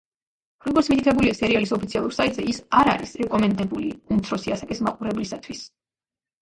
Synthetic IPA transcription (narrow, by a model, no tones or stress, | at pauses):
ɾɔɡɔɾt̪smit̪ʰit̪ʰɛbuliasɛɾialisɔpʰit̪sʰialˠuɾsait̪ʼzɛisaɾa̰ɾisɾɛkʼɔmɛnd̪ɛbuliumt̪sʰɾɔsiasakʼismaqʼuɾɛblisat̪ʰwis